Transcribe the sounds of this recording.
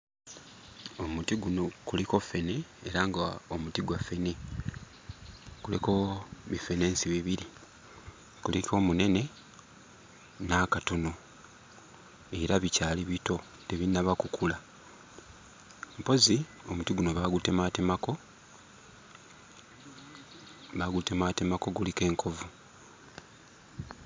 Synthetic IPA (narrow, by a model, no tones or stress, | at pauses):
o̞mutiɡuno̞kuliko̞feneeɾaŋɡaomutiɡwafene | kuleko̞βifeneːnsiβiβiɾi | kulikʰo̞ːmune̞ne̞ | nakatono̞ | e̞ɾaβicaːliβito̞ | teβinaβakukʰula | mpo̞zio̞mutiɡuno̞βaɡute̞matemako̞ | βaɡute̞maːtemako̞ɡulike̞ːŋkʰo̞vu